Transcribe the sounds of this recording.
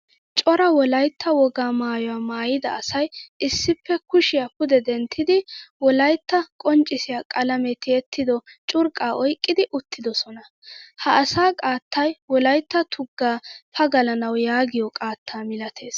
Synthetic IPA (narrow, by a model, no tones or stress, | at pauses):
t͡ʃʼɔɾɐwɔlɐjt̪ːɐwɔɡaːmaːjɔwaːmaːjɪd̪ɐ̰ɐsɐjɪsːɪpːɛkʊʃɪjakʊd̪ɛd̪ɛnt̪ʰːɪd̪ɪwɔlɐjt̪ːɐkʼɔnt͡ʃʼːɪsɪjaːkʼɐlɐmɛt̪ːɪɛt̪ʰːɪd̪ɔt͡ʃʼʊɾkʼːaːʔɔjkʼːɪd̪ɪʔʊt̪ːɪd̪ɔsɔnɐ | hɐʔːsaːkʼaːt̪ːɐjwɔlɐjt̪ːɐt̪ʰʊɡːaːpɐɡɐlɐnɐwjaːɡɪjɔkʼaːt̪ʰːaːmɪlɐt̪ʰe̞ːs